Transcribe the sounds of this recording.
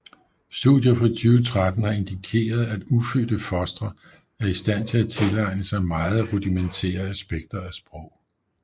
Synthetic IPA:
sd̥uðˠjɐfʁɒt͡sʰyːʊt͡sʰʁad̥n̩hɑ̈e̝nd̥ikʰe̝̰ːɐð̞̩ˠæd̥ufød̥əfɒ̽sd̥ʁɐ | æɐisd̥æn̰t͡sʰe̝læt͡sʰe̝lɑ̈ɪnəsɑ̈ɪmɑ̈ːð̞̩ˠʁud̥iment͡sʰḛːɐæsb̥eɡ̥̚d̥ɐæsb̥ʁɒʊ̰

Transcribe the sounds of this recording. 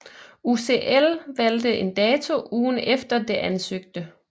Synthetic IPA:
use̝ʔelʋæld̥əʔe̝nd̥ɛːt͡sʰo̝ʔuːnefd̥ɐd̥e̝ʔænsøɡ̥̚d̥ə

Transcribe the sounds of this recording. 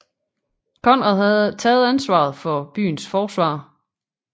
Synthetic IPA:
kʰɒ̽n̰ʁɑðˠɦæð̩ˠt͡sʰɛːð̩ˠænsʋɑ̰̈ðˠfɒ̽b̥y̰ːn̩sfɒːsʋɑ̰̈ː

